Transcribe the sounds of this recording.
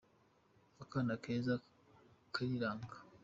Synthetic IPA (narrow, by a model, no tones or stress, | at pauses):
akanakeza | kaɾiɾaːŋɡḁ